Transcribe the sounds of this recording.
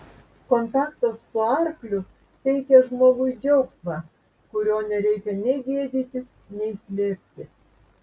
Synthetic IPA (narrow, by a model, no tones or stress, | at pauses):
kɔnt̪ɑːkt̪osːʊɑɾklʲʊ | t̪ʲɛɪkʲɛʒmoːɡʊjd͡ʒʲɛʊksmɑː | kʊɾʲoːnʲɛɾʲɛɪkʲɛnʲɛɪɡʲeːd̪ʲiːt̪ʲɪs | nʲɛɪsʲlʲeːpʲt̪ʲɪ